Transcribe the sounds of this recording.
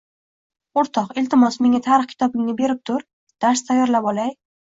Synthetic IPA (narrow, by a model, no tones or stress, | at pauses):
oɾt̪ʰɒqɪlt̪ʰɪmɒsme̞ŋʲat̪ʰaɾɪχkʲɪ̥t̪ɒbɪŋnabe̞ɾɪp̚t̪ʰʊɾ | d̪̥aɾst̪ʰajɒɾlapɒlaj